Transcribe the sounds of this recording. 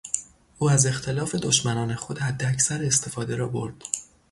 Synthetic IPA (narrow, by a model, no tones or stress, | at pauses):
ʔuːæze̞xt̪ʰe̞lɒːfe̞d̪oʃmænɒːne̞xo̞d̪hæd̪ːeæcʰsæɾest̪ʰe̞fɒːd̪e̞ɾɒːbo̞ɾd̪̥